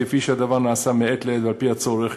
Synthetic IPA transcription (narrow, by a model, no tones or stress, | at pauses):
efiʃead̪avaʁnaːsameet̪leed̪valpihat͡so̞ʁeχ